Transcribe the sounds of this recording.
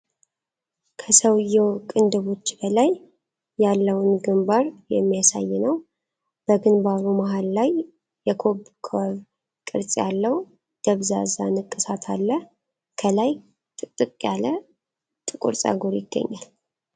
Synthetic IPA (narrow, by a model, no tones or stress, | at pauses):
kʰəsəwjɛwkʼɨnd̪ɨβo̞t͡ʃːbəlajː | alːəwnɡɨmbaɾjɛ̰mːijasa̰jːɪnəw | b̥əɡɨnbaɾumaɦalːajː | ɛkʰo̞βkʰwaβ | kʼɨɾt͡sʼjalːəw | d̪̥əβza̰zanɨkʼːɨsat̪ʰalːə | kʰəlaj | t̪ʼɨt̪ʼːɨkʼjalə | t̪ʼɨkʼṵɾsʼa̰ɡoɾjɪɡ̥ːə̰ɲːal